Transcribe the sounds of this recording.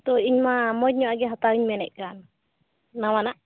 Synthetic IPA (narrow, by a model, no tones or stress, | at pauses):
t̪ɔiɲmamɔt̚ɲɔaɡɛɦat̪awiɲmɛnɛʔ̚kanː | awanaʔ